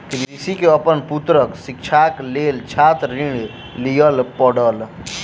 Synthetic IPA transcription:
kiɾisikeəpənput̪ɾəksik̚t͡ʃʰaklelt͡ʃʰat̪ɾĩɳ | lijəlpəɽəl

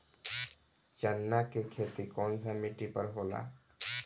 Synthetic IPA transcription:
t͡ʃənːakekʰet̪ikɔnsamiʈipəɾɦola̰

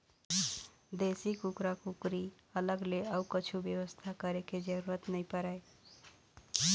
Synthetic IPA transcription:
d̪esikukɾakukɾi | ələɡleəwkət͡ʃʰubjewəst̪ʰakəɾeked͡ʒəɾuɾət̪nəjpəɾaj

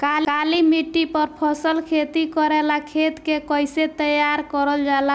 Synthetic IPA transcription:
kakalimiʈːipəɾpʰɔsəlkʰet̪ikɔɾelakʰet̪kekɔjset̪əjaɾkɔɾəld͡ʒala

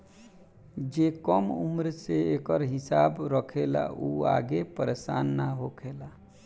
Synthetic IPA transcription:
d͡ʒekəmṵmɾseekəɾɦisabɾəkʰela̰ʔua̰ɡepəɾesanːaɦokʰela

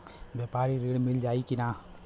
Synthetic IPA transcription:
bjepaːɾiɾeːɽmɪld͡ʒaːikinaː

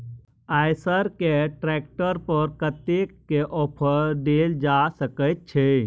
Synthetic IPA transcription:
ajsəɾkeʈɾɛk̚ʈəɾpəɾkət̪ekːeʔɔːpʰəɾɖ̪eld͡ʒasəkəjt̪̚t͡ʃʰe

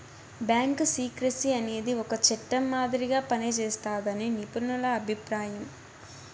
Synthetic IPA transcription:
bjaːŋksiːkɾɐsiɐne̞ːd̪iɔkɐt͡ʃɛʈːɐmːaːd̪iɾiɡaːpɐnit͡ʃɛːst̪aːd̪ɐninipuɾnɐlɐːbʱipɾaːjɐm

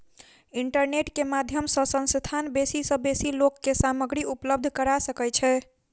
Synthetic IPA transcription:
iɳʈəɾneʈkemad̪ʱjəmsə̃sə̃nst̪ʰanbesisə̃besilokːesaməɡɾiupləb̚d̪ʱkəɾasəkɛt͡ʃʰɛ

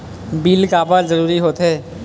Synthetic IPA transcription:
biːlkaːbazəɾuːɾiɦoːt̪ɦɛː

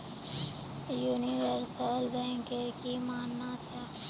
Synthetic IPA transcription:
juːniʋəɾsəlbɛ̃ːŋkekimaːnːat͡ʃʰaː

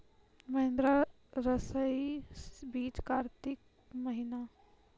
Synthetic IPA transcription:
mɐɦɪ̃nd̪ɾa | ɾɐsəisbiːt͡ʃkaːɾt̪ɪk̚ | məɦɪna

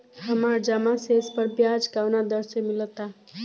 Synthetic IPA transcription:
ɦəmaɾd͡ʒəmasespəɾbjad͡ʒɡawnad̪əɾsemilət̪a

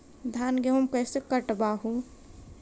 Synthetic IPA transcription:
d̪ʱaːnɡeɦumkəjsekəʈbaːɦũ

